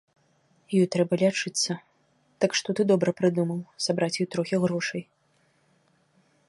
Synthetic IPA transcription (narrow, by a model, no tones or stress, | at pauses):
jɔjt̪ɾɛbɐlʲat͡ʂɨt̪sːɐ | d̪̥akʂt̪ɔt̪ɨd̪ɔbɾɐpɾɨd̪umɐwsabɾat͡sʲjɔjt̪ɾɔxʲiɣɾɔʂɐj